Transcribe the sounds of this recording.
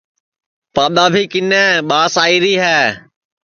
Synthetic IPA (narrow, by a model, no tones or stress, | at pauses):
paːɗ̪aːbʱiːkɪnɛ̃ːɓaːsaːiːɾiːɦɛː